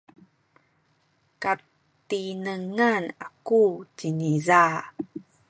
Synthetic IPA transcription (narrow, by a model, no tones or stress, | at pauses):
ka | tinəŋanakut͡ɕiniza